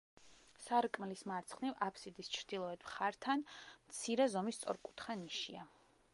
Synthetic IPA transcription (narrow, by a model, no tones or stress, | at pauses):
saɾkʼmlismaɾt̪sʰχnivapʰsid̪ist͡ʃʰɾd̪ilˠɔɛd̪̥mχaɾt̪ʰanmt̪sʰiɾɛzɔmist̪sʼɔ̰ɾkʼu̥t̪ʰχaniʃia̰